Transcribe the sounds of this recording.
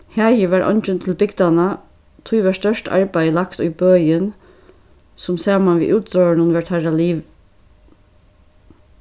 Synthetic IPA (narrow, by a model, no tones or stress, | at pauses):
hæːjəʋæɾʔɔ̰nt͡ʃənt̪ʰɪlbɪɡd̪anə | t̪ʰujʋæʂt̪œʂtʰɑ̰ɹbæɪəlɑkt̪ʊjbøːjən | sʊmsæːmanʋḭːʔʉːt̪søːnənʋæt̪ʰæɾaliːʋ